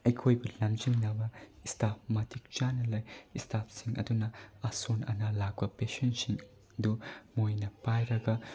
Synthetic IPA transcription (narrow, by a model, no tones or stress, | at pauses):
ɐjkʰojbulɐmd͡ʒiŋnɐbɐistap̚mɐtʰik̚t͡ʃanɐlɐjistʰapsiŋʔɐ̰dunɐɐsonɐ̰nɐlak̚bɐpesonsiŋ | dumojnɐpajɾɐɡɐ